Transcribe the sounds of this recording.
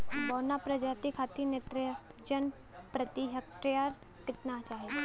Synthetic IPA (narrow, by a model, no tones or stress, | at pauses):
bɔːnapɾɐd͡ʒaːt̪ikʰaːt̪inet̪ɾɪd͡ʒən | pɾət̪iɦəkʈɾjaɾ | kɪt̪nat͡ʃaːɦe